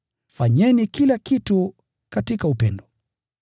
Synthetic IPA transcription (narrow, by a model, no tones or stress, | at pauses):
faɲɛnikilakitu | katikaupɛndɔ